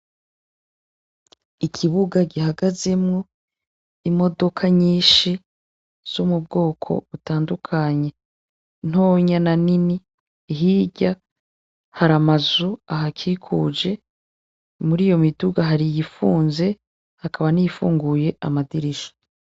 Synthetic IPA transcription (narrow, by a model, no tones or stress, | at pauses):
ikʰiβuɡaɡiɦaɡazemŋo | imo̞do̞kʰaɲiːʃi | z̥umub̚ɡo̞ːkʰo̞̰βutaːndukʰaɲe̞ | n̥oːɲananiniː | ɦiːɟa | haɾamazuaɦakʰikʰuːd͡ʒe̞ | muɾiːjo̞miduɡaɦaɾijifuːnze̞ | hakʰaβaniifṵːŋɡuje̞ʔamadiɾiʃḁ